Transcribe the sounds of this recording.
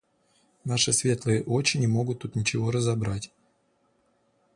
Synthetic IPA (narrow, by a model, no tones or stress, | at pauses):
naʂɨsvʲe̞t̪lˠɨjəʔot͡ɕɪnʲɪmo̞ɡʊt̪ːut̪nʲɪt͡ɕɪvo̞ɾəzɐbɾatʲ